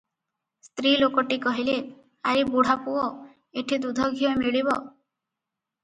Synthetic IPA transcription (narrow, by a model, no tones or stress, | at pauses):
st̪ɾilokɔʈikɔɦile | aɾibuɽ̤apuɔ | eʈʰid̪ud̪ʱɔɡʱijɔmiɭiβɔ